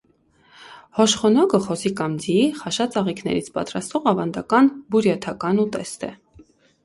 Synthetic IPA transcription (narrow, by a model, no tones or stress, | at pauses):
hɔʃχɔnɔkəχɔsikɑmd͡ziχɑʃɑt͡sɑʁikʰnɛ̰ɾit͡sʰpɑ̰t̪ɾɑst̪vɔʁɑvɑnd̪ɑkɑnbuɾjɑt̪ʰɑkɑnut̪ɛ̰st̪ɛ̰